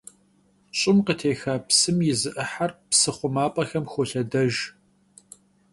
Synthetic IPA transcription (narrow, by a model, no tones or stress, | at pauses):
ɕʼɪmqətʰeːxaːpsɨmjɪzɨʔɨħarpsɨχʷʊmaːpʼɐxɐmxʷɔɬɐdɐʒ